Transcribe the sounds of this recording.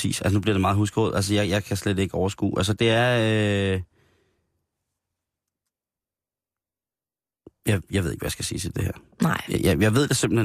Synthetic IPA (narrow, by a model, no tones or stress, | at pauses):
ḭːsælsənub̥liɐɾ̥emɑ̈ːð̩ˠɦusɡ̥o̰ð̩ˠæls̬əjɑ̈ɪjɑ̈ɪkʰæsled̥e̝ɡ̥əɒʊɐsɡ̥ṵːʔæls̬əd̥e̝æɐ | jɑ̈ɪjɑ̈ʋeð̰ˠe̝ɡ̥ʋæjäsɡ̥æsḭːt͡sʰi̥d̥e̝hæ̰ɐ̰ | na̰jɑɪjɑ̈ɪʋe̝ð̞̰ˠd̥ese̝mb̥l̩he